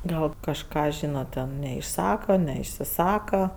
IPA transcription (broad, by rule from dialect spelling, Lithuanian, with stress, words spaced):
ˈɡɐlˠ kɐʃˈkɑː ˈʒʲiːnɐt tʲɛn nʲɛɪʃˈsɑːkɐ nʲɛɪʃʲsʲɪˈsɑːkɐ